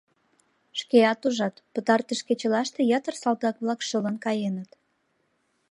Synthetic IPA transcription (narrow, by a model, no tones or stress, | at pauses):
ʃkeɑt̪uʒɑt̪pət̪ɑrt̪əʃket͡ɕə̆lɑʃt̪ejɑt̪ərsɑlt̪ɑk̚βlɑkʃələnkɑjenət̪